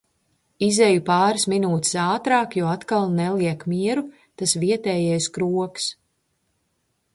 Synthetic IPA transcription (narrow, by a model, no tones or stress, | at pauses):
izɛjupaːɾɨsminuːt̪ɪ̥saːt̪ɾaːkjɔːat̪kalˠnɛlˠiɛkmiɛɾu | t̪asviɛt̪ɛːjɛjskɾuɔks